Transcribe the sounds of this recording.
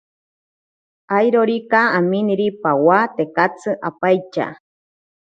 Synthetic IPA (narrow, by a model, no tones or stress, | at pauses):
ajɾoɾikaaminiɾipawat̪ekat͡sɨʔapajt͡ʃa̰